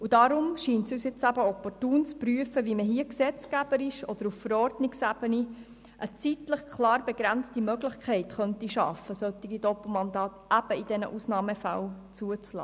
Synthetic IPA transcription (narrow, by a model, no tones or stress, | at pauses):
udɑɾʊmʃiːntsyːsjɪt͡sæbəɔpɔrtuːnt͡spryəfəʋiməɦiəksɛt͡sɡ̥æb̥əɾɪʃɔd̥̪əɾuffəɾɔrdnɪksæb̥əni | ʔət͡sit̪ləχkʰlɑːɾbɛɡɾænt͡stimœɡləχkʰɛɪtχœntiʃɑ̰fəsœt̪iɡidɔpl̩mɑnd̪ɑːt̪æb̥əid̥ɛnə̰ʔusnɑːməfælt͡suət͡slɑ̰ː